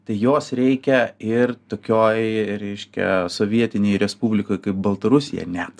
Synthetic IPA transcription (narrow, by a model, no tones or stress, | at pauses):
t̪ɐɪjoːsɾʲɛɪkʲɛɪrt̪oːkʲoːjɾʲɛɪʃʲkʲɛ̰soːʋʲiɛt̪ʲɪnʲɛɪɾʲɛspubʲlʲɪkoːjkɐɪp̚bɐlˠt̪ɐɾʊsʲɪjɛ̰nʲɛt̪